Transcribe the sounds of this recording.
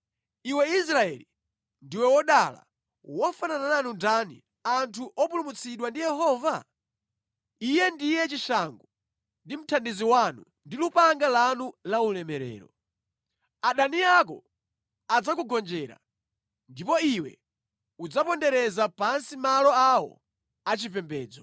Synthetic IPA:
iwɛis̬ɾaɛ̰li | ndiwɛwɔɗala̰ | wɔfananananundanḭ | antʰuʔɔpulumut͡sʰiɗwandijɛhɔːva | ijɛndijɛt͡ʃiʃaŋɡɔ | ndim̩tʰandiziwanṵ | ndilupaŋɡalanulaulɛmɛɾɛ̰ːɾɔ̰ | aɗaniakɔ̰ | ad͡zakuɡɔnd͡ʒɛɾa̰ | ndipɔiwɛ̰ | ud͡zapɔndɛɾɛzapansimalɔawɔ̰ | at͡ʃipɛmbɛːd͡zɔ

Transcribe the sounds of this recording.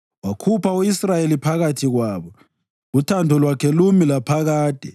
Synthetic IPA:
wakʰupʰauisrajelipʰaɣatʰiɣwaːβɔ | utʰandʱɔlwakʰɛlumilapʰaɣaːd̥ʱɛ

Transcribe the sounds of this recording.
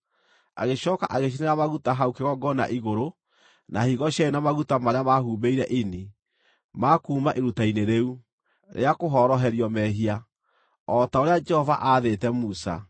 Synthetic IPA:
a̰ɣeɕɔːka̰ʔaɣeʃ̬ineɾamaɣutaɦaukeɣɔɡɔna̰ʔiɣoɾo | nahiɣɔʃjaenamaɣutamaɾeamahuːbeiɾɛʔini | makuːmaʔeɾutaineɾeu | ɾʔḛakoɦɔɾɔɦɛɾiɔmɛɦia | ɔtaoɾead͡ʒɛhɔva̰ʔaðetɛmusa̰

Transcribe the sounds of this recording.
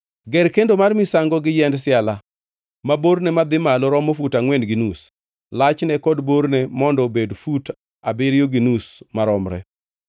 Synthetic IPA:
ɡɛɾkendomarmisaŋɡɔɡɪjɛndsɪala | maboɾnɛmad̪ɪmalɔɾɔmofutaŋwɛnɡinus | lat͡ʃnɛkɔdboɾnɛmɔndɔbedfut | abɪɾjoɡinusmaɾɔmɾɛ̰

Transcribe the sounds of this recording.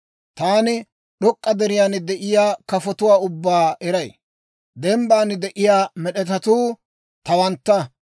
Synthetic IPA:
t̪aːnɪ | ɗɔkʼːɐd̪ɛɾɪjaːnd̪ɛʔɪjaːkɐfɔt̪ʊwaːʊbːaːɛɾɐj | d̪ɛmbaːnɪd̪ɛʔɪjaːmɛɗɛt̪ɐt̪uː | t̪ɐwɐnt̪ːɐ

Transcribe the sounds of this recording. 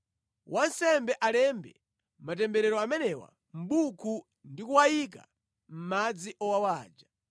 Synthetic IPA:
wʔansɛmbɛʔalɛmbɛ̰ | matɛmbɛɾɛɾɔamɛnɛwa̰ | m̩ɓukʰu | ndikuwajik̬a̰ | m̩mad͡ziʔɔwawaːd͡ʒa

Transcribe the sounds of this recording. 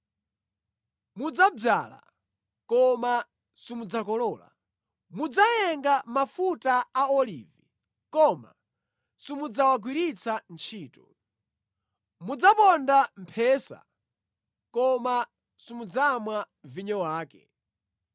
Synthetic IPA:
mud͡zab͡ʐaːla̰ | kɔma | simud͡zakɔlɔːla̰ | mud͡zajɛŋɡamafutaaɔlḭːvi | kɔma̰ | simud͡zawaɡwiɾit͡sʰant͡ʃʰiːtɔ̥ | mud͡zapɔndam̩pʰɛsa̰ | kɔma | simud͡zamwa | viɲɔwaːkɛ

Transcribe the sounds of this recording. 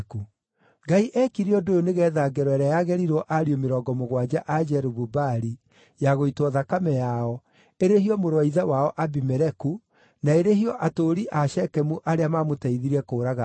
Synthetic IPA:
ku | ɡaiʔɛkiɾiɔdojoneɣɛːðaɡɛɾɔɛɾajaɣɛɾiɾɔʔaɾiomeɾɔɡɔmoɣwad͡ʑaʔad͡ʒɛɾuβubaɾi | jaɣoitwɔðakamɛjaɔ | eɾeɦiɔmoɾwaiðawaɔʔabimɛɾɛku | naeɾeɦiɔʔatoːɾiʔaʃɛkɛmuʔaɾeamamotɛiðiɾɛkoːɾaɣa

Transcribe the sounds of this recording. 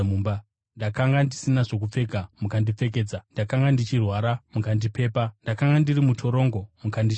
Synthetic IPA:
uːmba | ndakaŋɡandisinaʐo̞k̬up͡fe̞ɡʱamukandip͡fe̞k̬e̞ːd͡zandakaŋɡandit͡ʃirwaɾamukandipe̞ːpandakaŋɡandirimutʰo̞ɾo̞ːŋɡo̞mukandi

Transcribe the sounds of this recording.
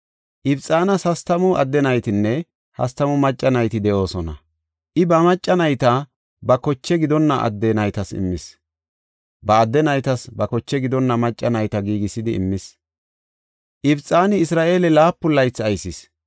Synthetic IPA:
ʔɪbt͡sʼaːnɐshɐst̪ɐmʊʔɐd̪ːɛnɐjt̪ɪnːɛ | hɐ̰st̪ɐmʊmɐt͡ʃʼːɐnɐjt̪ɪd̪ɛʔo̞ːsɔnɐ̰ | ʔɪbɐmɐt͡ʃʼːɐnɐjt̪ɐ | bɐkɔt͡ʃːɛɡɪd̪ɔnːɐʔɐ̰d̪ːɛnɐjt̪ɐsɪ̰mːɪs | bɐːd̪ːɛnɐjt̪ɐsbɐkɔt͡ʃːɛɡɪd̪ɔnːɐmɐt͡ʃʼːɐnɐjt̪ɐɡiːɡɪsɪd̪ɪɪ̰mːɪs | ʔɪbt͡sʼːaːnɪːsɾaːʔeːlɛlaːpːʊlːɐjt͡sːɐjsɪs

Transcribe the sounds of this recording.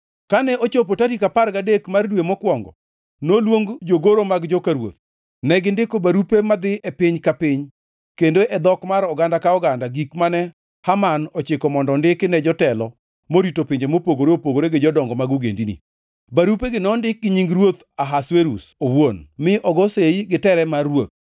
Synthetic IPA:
kanɛʔot͡ʃop̬otatikaparɡadekmardwemɔkwɔŋɡɔ̰ | nolwoŋɡd͡ʒoɡoɾomaɡd͡ʒɔkaɾwo̰t̪̚ | nɛɡɪndɪkobaɾupemad̪ɪʔɛpɪɲkapɪɲ | kendoʔɛd̪ɔkmaɾɔɡandakaɔɡandaɡikmanɛ | hamanɔt͡ʃɪkɔmɔndɔndɪknɛd͡ʒɔtɛlɔ | moɾitopɪɲd͡ʒemopoɡoɾeopoɡoɾeɡɪd͡ʒɔdɔŋɡɔmaɡuɡḛndinḭ | baɾupeɡɪnɔndɪk̚ɡɪɲiŋɡɾwot̪ | aɦasweɾusowonmɪʔɔɡɔsejiɡɪtɛɾɛmarːwot̪̚

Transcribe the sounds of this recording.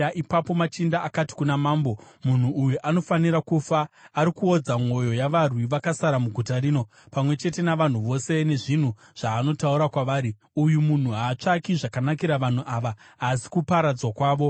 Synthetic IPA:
aʔipapo̞mat͡ʃindaːkati̥kunamaːmbo̞mun̤uːjuʔano̞faniɾakufaːɾikuod͡zamo̞jo̞jaʋarwiʋakasaɾamuɡʱutaɾiːno̞ | pamwe̞t͡ʃe̞te̞naʋan̤uʋo̞se̞ne̞ʐin̤u | ʐ̥aːno̞tauɾakwaʋaːɾi | ujumun̤uɦaːt͡ʂakiʐakanakiɾaʋan̤uʔaʋaː | si̥kupaɾad͡zwakwaːʋo̞

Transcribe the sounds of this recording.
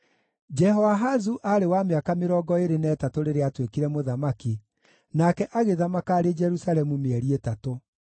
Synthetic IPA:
d͡ʒɛɦɔwaɦazuʔaɾewameakameɾɔɡɔeɾenɛːtatoɾeɾeatwekiɾɛmoðamaki | nakɛʔaɣeðamakaːɾed͡ʒɛɾusalɛmumeɛɾietato

